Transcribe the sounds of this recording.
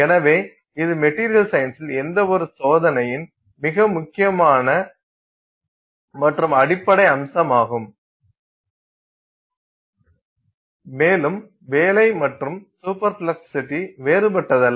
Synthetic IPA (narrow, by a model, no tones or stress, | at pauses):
ɛnɐʋeː | ɪðɯmɛʈːiːɾɪjɐlsɐjɪnsɪlɛnd̪ɐɔɾɯsoːðɐnɐjɪn | mɪɣɐmʊkːɪjɐmaːnɐ | mɐʈrɯmɐɽɪpːɐɽɐɪɐmsɐmaːɣɯm | meːlɯm | ʋeːlɐɪmɐʈrɯmsuːpɐɾflɐksɪ̥sɪʈːiʋeːɾɯbɐʈːɐðɐl